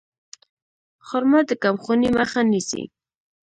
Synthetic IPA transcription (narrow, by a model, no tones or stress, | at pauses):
χɔɾmad̪əkamχʊnimaχanisḭ